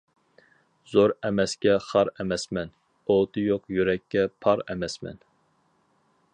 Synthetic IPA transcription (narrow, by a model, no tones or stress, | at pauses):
zoɾɛmɛskʲɛχɑɾɛmɛsmɛn | ot̪ʰɨjoqjyɾɛkʲʰːɛpʰɑɾɛmɛsmɛ̰n